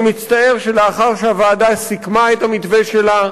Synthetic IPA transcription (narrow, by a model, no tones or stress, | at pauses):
mit͡st̪aeʁʃe̞leaχaʁʃeavaːdasikmaetamit̪veʃela